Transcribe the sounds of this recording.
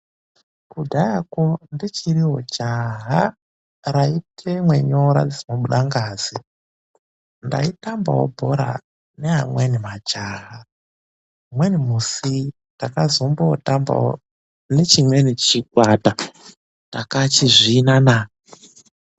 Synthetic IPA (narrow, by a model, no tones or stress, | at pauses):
kudʱajakondit͡ʃiriɦo̰d͡ʒaɦa | raitʰemwe̞ɲoɾa̰d͡zimoɓuɗaŋɡaːzi | nda̰itamba̰wo̰bʱoɾa̰ | neɦamwenimad͡ʒaːɦa | mwenimusi | ndakazombootamba̰o | net͡ʃimwenit͡ʃik̚wata | ndakat͡ʃiʐiːnana